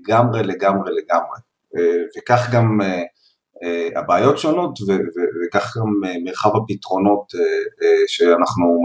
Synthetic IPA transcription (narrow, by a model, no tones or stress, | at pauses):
ɡamʁele̞ɡamʁele̞ɡamʁe | evekaχɡame | ea̰baːjo̞tʃo̞no̞tvevevekaχɡamemeʁχavhapitʁo̞no̞teeʃeanaχnu